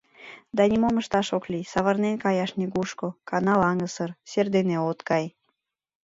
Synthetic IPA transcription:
d̪ɑnʲimoməʃt̪ɑʃoklisɑβərnenkɑjɑʃnʲiɡuʃkokɑnɑlɑŋəsərserd̪eneot̪kɑj

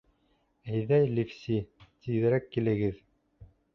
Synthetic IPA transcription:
æjðæjlifsʲit̪ʰiðɘ̆ɾækːilɘ̆ɡɘð

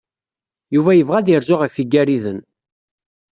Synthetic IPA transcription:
juvæjəvʁæðiɾʒʊʁifiɡːæɾiðən

